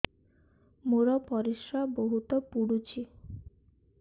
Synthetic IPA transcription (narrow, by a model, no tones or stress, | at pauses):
moɾɔpɔɾiʃɾaboɦut̪ɔpuɽut͡ɕʰi